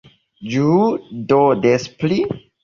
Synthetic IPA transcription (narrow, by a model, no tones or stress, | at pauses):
d͡ʒudodespli